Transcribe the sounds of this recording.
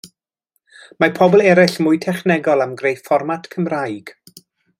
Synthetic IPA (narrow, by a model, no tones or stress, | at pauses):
mapʰɔbɔlˠɛɾɪɬmʊjtʰɛχnɛɡɔlˠamɡrejfɔrmatʰkʰəmrajɡ̥